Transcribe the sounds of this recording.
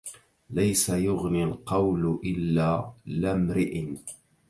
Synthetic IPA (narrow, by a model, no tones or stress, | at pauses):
lajsajʊɣnɪlqɑwlʔɪlːaːlamɾɪʔɪn